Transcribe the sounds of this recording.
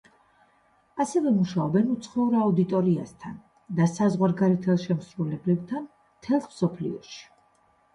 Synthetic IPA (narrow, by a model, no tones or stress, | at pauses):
asɛvɛmuʃaɔbɛnut̪sʰχɛuɾaud̪it̪ʼɔɾiast̪ʰan | d̪asazʁwaɾɡaɾɛt̪ʰɛlˠʃɛmsɾulɛblɛb̚t̪ʰan | t̪ʰɛlˠsmsɔpʰlḭɔ̰ʃi̥